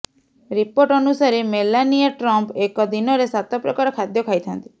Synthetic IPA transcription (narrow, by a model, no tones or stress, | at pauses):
ɾipoɾʈɔnusaɾemelaniaʈɾɔmpekɔd̪inɔɾesat̪ɔpɾɔkaɾɔkʰad̪jɔkʰajt̪ʰant̪i̥